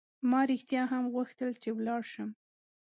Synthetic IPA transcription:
mɑɾixt̪jɑɦamɣuxt̪əlt͡ʃewlɑɽʃəm

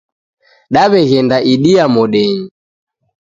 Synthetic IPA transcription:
ɗaβɛɣɛndaʔiɗiamɔɗɛɲi

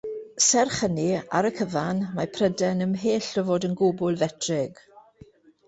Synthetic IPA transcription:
sɛrχənia̰ɾəkʰəvanmapʰrədɛnəmɦeːɬəvoːdənɡʊbʊlˠvɛtʰrɪɡ̥

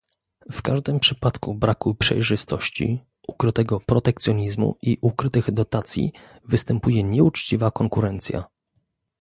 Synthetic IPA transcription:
fkaʐd̪ɘmpʂɘpat̪kubɾakupʂɛ̰jʐɘst̪ɔɕt͡ɕḭ | ʔukɾɘt̪ɛɡɔpɾɔt̪ɛk̚t̪sʲjɔɲizmṵʔiʔukɾɘt̪ɘɣd̪ɔt̪at̪sʲjḭ | vɘst̪ɛmpujɛɲɛut͡ʂt͡ɕivakɔŋkuɾɛnt̪sʲja̰

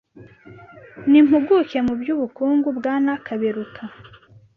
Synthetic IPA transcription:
nim̥uɡuke̞mubɟuβukuːŋɡubɡaːnakʰaβeɾukʰa

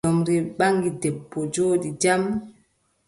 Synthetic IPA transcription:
ɔmɾɛɓaŋɡidɛbːɔd͡ʒoːɗid͡ʒam

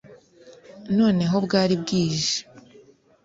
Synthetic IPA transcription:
no̞ːne̞ɦo̞bɡaːɾibɡiːʒe̥

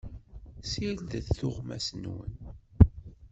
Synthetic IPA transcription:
sild̪əθθʊʁmæ̰sənwə̰n

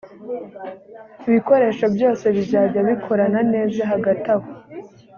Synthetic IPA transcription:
iβiko̞ɾe̞ːʃabjo̞ːse̞βiɟaːɡaβikʰo̞ɾanane̞ːzaɦaɡataβo

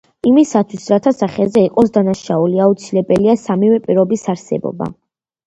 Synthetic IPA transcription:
imisat̪ʰwisɾat̪ʰasaχɛzɛiqʼɔsd̪anaʃauliaut̪sʰilɛbɛliasamivɛpʼiɾɔbisaɾsɛ̰bɔ̰ba̰

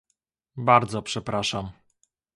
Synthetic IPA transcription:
baɾd̪zɔpʂɛpɾaʂam

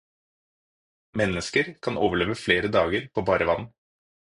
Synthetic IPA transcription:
mɛnəskəɾkʰɑnoːʋəɭeːʋəfleːɾəd̪ɑːɡəɾpʰoːbɑːɾəʋɑ̰n̩

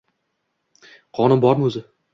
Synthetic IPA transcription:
qʰɒnɪmbɒɾmɵzɪ

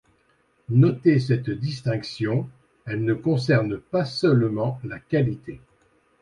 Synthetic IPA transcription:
nɔt̪esɛt̪d̪ist̪ɛ̃ksjɔ̃ | ɛlnəkɔ̃s̬ɛʁnpasœlmɑ̃lakalit̪ʰe

